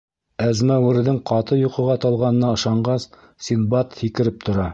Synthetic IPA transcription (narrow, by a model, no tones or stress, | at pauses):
æzmæwɘ̆ɾðɘŋqɑt̪ɤjuqɤ̆ʁɑt̪ɑlˠʁɑnɤ̆nɑɤ̆ʃɑɴɢɑs | sinbɑt̪hikɘ̆ɾɘp̚t̪ʰŏɾɑ